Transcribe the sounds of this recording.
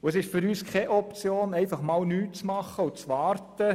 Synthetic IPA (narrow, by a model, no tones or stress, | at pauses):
ʊəsɪʃfyɾyːskʰɛʔɔp̚t͡sjoːnɛɪfɑχmɑːlnyːtt͡smɑχəʊt͡sʋɑːɾtə